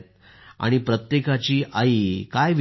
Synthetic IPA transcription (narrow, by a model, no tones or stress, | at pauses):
t̪ | a̰ɽ̃ipɾət̪jekat͡ɕiːʔaikajʋ